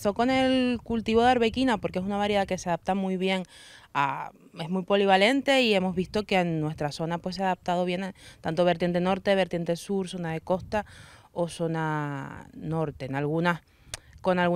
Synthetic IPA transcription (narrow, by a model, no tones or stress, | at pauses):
so̞ko̞ne̞lkult̪iβo̞ðeaɾβe̞kinapo̞ɾkees̬unaβaɾjeðake̞seaðap̚t̪amujβje̞ŋa̰ | e̞zmujpo̞liβ̞ale̞nt̪e̞ie̞mo̞zβist̪o̞ke̞nnwe̞st̪ɾaso̞napwes̬eaðap̚t̪að̞o̞β̞je̞nat̪ant̪o̞βeɾt̪je̞nt̪e̞no̞ɾt̪e̞βe̞ɾt̪jent̪esuɾso̞naðe̞ko̞st̪a | o̞so̞na | no̞ɾt̪e̞nalɣunas | ko̞nalɣu